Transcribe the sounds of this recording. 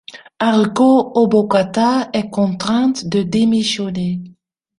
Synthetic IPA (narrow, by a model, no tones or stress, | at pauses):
aʁkoobokat̪aɛkɔ̃t̪χɛ̃t̪d̪əd̪emisjɔne